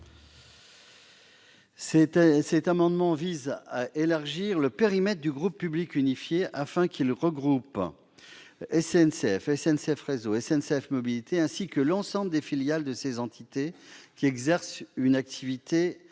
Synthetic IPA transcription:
sɛt̪amɑ̃d̪mɑ̃vizaʔelaʁʒiʁləpeʁimɛt̪χd̪yɡʁupːyblikynifjeʔafɛ̃kʲʰilʁəɡʁup | ɛsɛnseɛfɛsɛnseɛfʁezoɛsɛnseɛfmɔbilit̪ʰeɛ̃sikəlɑ̃sɑ̃bləd̪efiljald̪əsezɑ̃t̪ʰit̪ekʲiɛɡzɛʁsynak̚t̪ʰivit̪ʰe

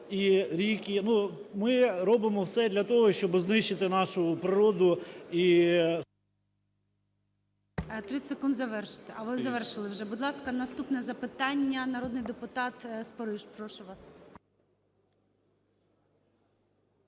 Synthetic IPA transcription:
iɾʲikʲinumɪɾɔbɪmɔwsɛd̪lʲɐt̪ɔɦɔʃt͡ʃɔbɪznɪʃt͡ʃɪt̪ɪnɑʃʊpɾɪɾɔd̪ʊi | t̪ɾɪsekund̪zɐʋɛrʃɪ̥t̪ɪɐʋɪzɐʋɛrʃɪlˠɪwʒɛbʊd̪lˠɑskɐnɐst̪upnɛzɐpɪt̪ɑnʲːɐnɐɾɔd̪̚nɪjd̪epʊt̪ɑt̪spɔɾɪʒpɾɔʃʊʋɑs

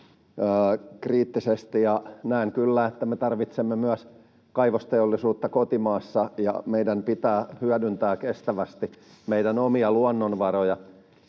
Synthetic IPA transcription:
əːkriːt̪ːisest̪ijɑnæiŋkylːæːet̪ːæmet̪ɑrʋit̪semːemyæs | kɑiʋost̪eolːisuːt̪ːɑkot̪imɑːsːɑjɑ̰meidænpit̪æːhyædynt̪æːkest̪æʋæst̪i | meidænomiɑluɑnːonʋɑrojɑ

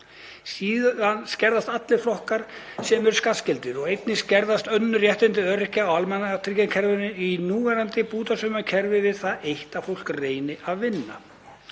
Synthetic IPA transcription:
siːððanscɛɾðast̪at̪lɪɾ̥flɔhkaɾ̥ | sɛmɛɾskascɪlt̪ɪɾɔɣejt̪nɪscɛɾðast̪œnːʏrjɛht̪ɪnt̪ɪœːɾɪhcaawalmɛnːat̪ʰɾicacʰɛɾvɪnɪinuːvɛɾant̪ɪpuːt̪asʏmacʰɛɾvɪvɪðθaðejht̪afowl̥kreːjnɪʔaðvɪnːa̰

